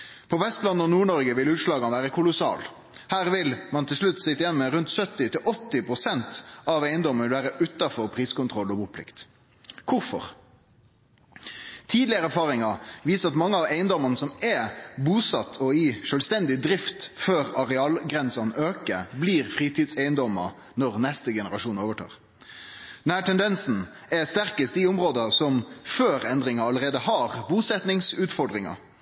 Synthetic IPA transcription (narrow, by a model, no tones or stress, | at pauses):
pʰɔʋɛst̪lɑnːɔnuːɳɔɾɡəʋɪlʉːt̪ʂlɑːɡɑnəʋæːʁəkʰʊlʊsɑ̰ːl | hæːʁʋɪlmɑnt̪ʰɪlʂlʉt̪ːsɪt̪ːəjɛnːmɛɾʉnt̪sœt̪ːɪt̪ɪlʔɔt̪ːɪpʁʊsɛnt̪ɑʋeɪnd̪ɔmːənʋɪlʋæːɾəʔʉt̪ɑfɔʁpʰʁiːskʊnt̪ʁɔlːɔbuːpʰlɪ̰kt̪ | kʰʊɾfɔ̰ʁ | t̪ʰiːd̪lɪəɾəæɾfɑːʁɪŋɑʋiːsəʁɑt̪mɑŋːəɑʋæɪənd̪ɔmənəsɔmɛbuːsɑt̪ʰːɔɪʃøːlst̪ɛnd̪ɪd̪ɾɪft̪føːʁɑʁɛɑːlɡʁɛnsɑnøːkəbliːʁfʁiːt̪iːd̪sæɪənd̪ɔmə̰ | nɔʁnɛst̪əɡɛnəʁɑʃuːnoːʋəʈʰɑ̰ːʁ | d̪̥ɛnhæːʈʰɛnd̪ɛnsn̩ | ɛst̪æʁkəst̪iʊmʁoːd̪əsɔmføːʁɛnd̪ʁɪŋɑɑləʁeːd̪əhɑʁbuːsɛt̪nɪŋsʉːt̪fɔɾɖʁɪŋɑ̰